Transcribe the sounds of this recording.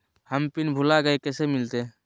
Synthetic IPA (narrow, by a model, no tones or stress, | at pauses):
həmpinbʱulaɡəjkesɛmilt̪e